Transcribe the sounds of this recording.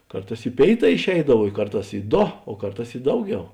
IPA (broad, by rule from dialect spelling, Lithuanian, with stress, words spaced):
ˈkɐrˌtɑːs ɪ ˈpʲeːɪˌtɑː ɪʃʲˈɛɪdɐw ɪ ˈkɐrˌtɑːs ɪ ˈdoː oː ˈkɐrˌtɑːs ɪ ˈdɐʊˌɡʲɛʊ